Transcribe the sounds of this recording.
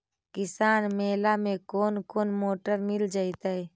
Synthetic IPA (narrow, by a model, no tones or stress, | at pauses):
kɪsaːnmeːlamẽkoːnkoːnmoːʈəɾmɪld͡ʒait̪əɛ